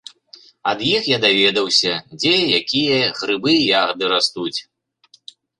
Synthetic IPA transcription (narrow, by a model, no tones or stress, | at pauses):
ɐd̪jixjad̪avʲɛd̪ɐwsʲɐd͡zʲɛjakʲijɐɣɾɨbɨjaɣɐd̪ɨɾast̪ut͡sʲ